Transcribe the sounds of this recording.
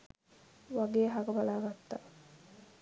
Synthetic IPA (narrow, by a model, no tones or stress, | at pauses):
ʋaɡeːɦaɡəbalaːɡat̪ːa